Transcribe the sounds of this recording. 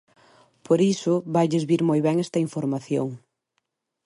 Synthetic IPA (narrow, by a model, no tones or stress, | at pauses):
poɾisʊβajʎezβiɾmojβɛŋɛst̪ɐiɱfoɾmaθjo̰ŋ